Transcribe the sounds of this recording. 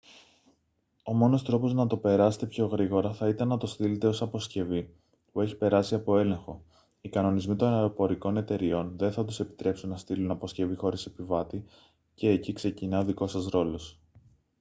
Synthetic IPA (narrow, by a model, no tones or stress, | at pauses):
o̞mo̞no̞st̪ɾo̞po̞znɐt̪o̞pe̞ɾɐse̥t̪e̞pço̞ɣɾiɣo̞ɾɐθɐit̪ɐnːɐt̪o̞st̪ilet̪e̞o̞sɐpo̞sce̞vi | pue̞çi̥pe̞ɾɐsiɐpo̞e̞lẽ̞ŋxo̞̰ | ikɐno̞nizmit̪o̞nɐeɾo̞po̞ɾiko̞ne̞t̪e̞ɾio̞nðe̞nθɐt̪use̞pi̥t̪ɾe̞psunːɐst̪ilunɐpo̞sce̞vixo̞ɾisepivɐt̪i | ce̞ːcikse̞cinɐoðiko̞sɐsɾo̞lo̞s